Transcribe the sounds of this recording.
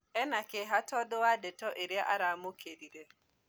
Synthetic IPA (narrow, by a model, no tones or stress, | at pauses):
ɛnakeɦatɔdoadɛtɔʔeɾjaʔaɾamokeɾiɾe